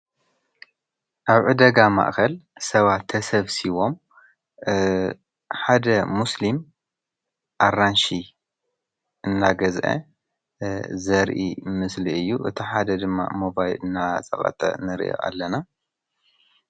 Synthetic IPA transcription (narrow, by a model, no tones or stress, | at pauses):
ʔaβʕɨd̪ɐɡama̰ʔkʰɐlsɐβat̪ʰːɐsɐβsiβo̞m | ħad̪ɐmuslim | ʔaranʃi | ʔɨnːaɡɐzʔɐ̰ | zɐɾʔimɨsliʔɨjːuʔɨt̪ʰiħad̪ɐd̪ɨmːa̰mobajlɨnːat͡sʼɐ̰χʼɐ̰t̪ʼɐ̰nɨɾʔo̰ʔa̰lːɐna